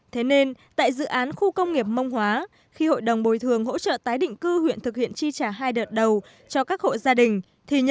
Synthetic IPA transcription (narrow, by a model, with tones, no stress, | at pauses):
t̪ʰe˨˦ne˧nt̪a̰ː˧˨jzɨ̰˧˨ʔaː˨˦nxu˧kə˧wŋ͡mŋi˨˩əp̚mə˧wŋ͡mhwaː˨˦ | xi˧ho̰˧˨jɗə˨˩wŋ͡mɓo˨˩jt̪ʰɨ˨˩əŋɦo̰˧˥t͡ɕə̰ː˧˨t̪aː˨˦jɗḭ̈˧˨ŋ̟kɨ˧hwḭ˧˨ənt̪ʰɨ˨˩k̚hḭ˧˨ənt͡ɕi˧t͡ɕaː˧˩ɦaː˧jɗəː˨˩t̚ɗə˨˩w | t͡ɕɔ˧kaː˦˥k̚ho̰˧˨zaː˧ɗï˨˩ŋ̟ | t̪ʰi˨˩ɲə˧